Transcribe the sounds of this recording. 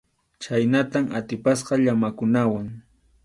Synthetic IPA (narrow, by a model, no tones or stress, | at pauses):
t͡ʃajnat̪amat̪ɪpasqɑʎamakʊnawaŋ